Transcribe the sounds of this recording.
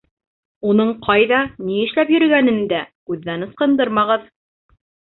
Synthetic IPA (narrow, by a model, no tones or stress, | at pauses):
unɤɴqʰɑjðɑniɘ̆ʃlæpjɵ̆ɾɘ̆ɡænɘnd̪ækʉðːænɤ̆sqɤ̆nd̪ɤɾmɑʁɤð